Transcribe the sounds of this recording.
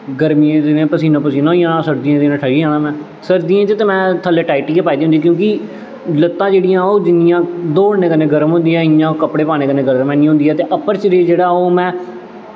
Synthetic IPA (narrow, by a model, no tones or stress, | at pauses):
ɡəɾmiːẽt̪ɪnẽːpəsiːnõːpəsiːnõːiãːnãːsəɾd̪iːãːt̪enãːʈʰəɽiːãːnãːmɛ̃ː | səɾd̪iːẽːt͡ʃət̪eːmɛ̃ːt̪ʰəleːʈaːɪiʈiːkepaːid̪iːɦnd̪iːk̬jõːki | lət̪ːãːd͡ʒeːɽijãːoːd͡ʒɪnɪjãːd̪oːɽnẽːkənẽːɡəɾəmɦʊ̃nd̪ijãːɪjãːkəpɽeːpaːneːkənẽːɡəɾəmɛ̃ːnĩːɦʊ̃nd̪iːɛːt̪eːʔəpəɾt͡ʃəɾeːd͡ʒeːɽaːoːmɛ̃ː